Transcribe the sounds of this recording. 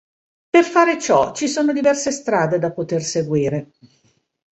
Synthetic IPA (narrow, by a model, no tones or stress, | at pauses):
perfaːɾet͡ʃɔt͡ʃisoːnod̪ivɛrsest̪ɾaːd̪ed̪apot̪erseɡwiːɾe